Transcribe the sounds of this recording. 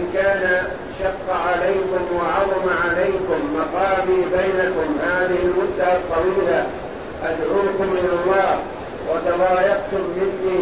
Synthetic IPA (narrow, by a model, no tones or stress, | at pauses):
nkaːna | ʃɑqːʕalajkʊmwɑʕɑðˤɑmaʕalajkʊmːɑqɑːbiːbajnakʊmhaːðɪhɪlmʊd̪ːaɑt̪ˤːɑwiːla | ʔad̪ʕuːkʊmʔɪnɑlˤːɑːh | wʔɑt̪ɑðˤɑːjɑqt̪ʊmːɪnːiː